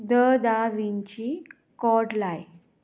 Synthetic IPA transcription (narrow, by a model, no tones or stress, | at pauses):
d̪əd̪aʋiɲt͡ɕi | kɔʈlaj